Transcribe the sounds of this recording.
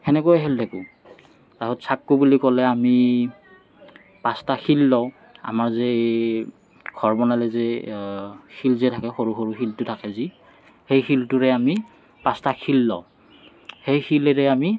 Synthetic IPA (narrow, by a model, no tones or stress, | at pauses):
ɛnɛkojɛɦɛldʱɛku | taɦɔtsakːubulikɔlɛami | pastaxilːɔw | a̰maɹzɛ | ɡ̥ʰʱɔɹbɔnalɛzɛ | xʰilzɛtʰakɛxoɹuxoɹuxiltʊtʰakɛzi | hejxiltʊɹɛami | pastaxʰilːɔ̰ʊ | hejxilɛɹɛami